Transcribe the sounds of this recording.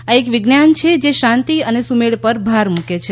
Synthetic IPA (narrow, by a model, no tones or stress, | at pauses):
aekʋɪɡnjant͡ʃʰed͡ʒeʃãnt̪iənesumeɭpəɾbʱaɾmũket͡ʃʰe